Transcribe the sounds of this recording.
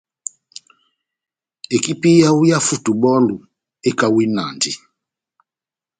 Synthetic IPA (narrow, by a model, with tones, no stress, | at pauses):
e˨ki˦pi˦ja˦u˦ja˦fu˦˨tu˨bɔ˦lu˨ | e˦ka˨wi˦na˨ndi˨